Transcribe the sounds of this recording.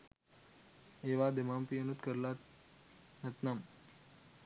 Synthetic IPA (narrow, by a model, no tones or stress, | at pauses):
eːʋaːd̪emaːmpijɐnut̪kəɾlaː | nɐt̪nam